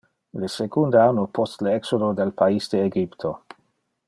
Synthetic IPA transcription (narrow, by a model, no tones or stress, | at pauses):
lesekund̪aanːopɔst̪leɛksod̪od̪elpaisd̪eːɡipt̪ʰo